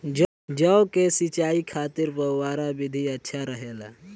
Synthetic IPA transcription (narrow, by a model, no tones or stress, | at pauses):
d͡ʒəokesɪt͡ʃaːikʰaːt̪ɪɾpəwaːɾabɪd̪ʱiətːʃʰaɾəɦela̰ː